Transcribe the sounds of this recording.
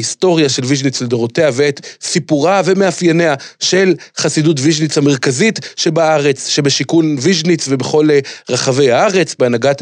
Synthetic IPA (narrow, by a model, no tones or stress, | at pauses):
isto̞ʁjaʃe̞lviʒnit͡sled̪oʁo̞te̞aveet̪sipuʁave̞meafjeneaʃe̞lχasidutviʒnit͡shame̞ʁkazitʃe̞baaʁe̞t͡sʃe̞be̞ʃikunviʒnit͡svebe̞χo̞leʁaχave̞jaaʁe̞t͡sbeanaɡat